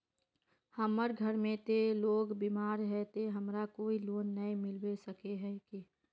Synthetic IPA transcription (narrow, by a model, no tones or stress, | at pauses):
həməɾɡʱəɾmẽt̪eloːɡbiːmaːɾɦɛt̪eɦəmɾakoːiloːnːəimɪlwesəkeɦɛki